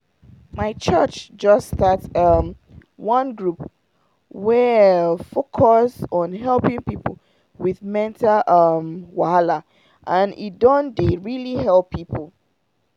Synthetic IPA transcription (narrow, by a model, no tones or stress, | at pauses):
maɪt͡ʃɜt͡ʃd͡ʒʌstatʌm | wʌ̃nɡɹup | wɛfokʰɔsɔ̃nɦɛlpɪ̃ŋpipəl̩ | wiðmɛ̃ntaʔʌmwahala | ʔãnḭdɔ̃ndeɹilihɛlˠpʰːipʰəl̩ˠ